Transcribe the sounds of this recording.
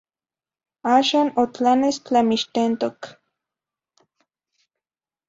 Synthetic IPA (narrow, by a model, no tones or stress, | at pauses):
aːʃaːnot͡ɬanest͡ɬamiʃt̪ent̪ok